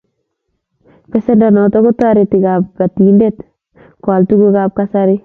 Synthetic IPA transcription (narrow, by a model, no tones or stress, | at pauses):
pɛsendanɔtɔkutaɾetikap̚katiːndet | kaltuɡukaːp̚kasaɾi